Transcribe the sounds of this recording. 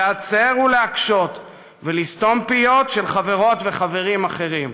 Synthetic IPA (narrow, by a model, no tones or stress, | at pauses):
at͡se̞ʁuleakʃo̞t̪ | velist̪o̞mpijo̞tʃelχave̞ʁo̞tve̞χave̞ʁimaχe̞ʁim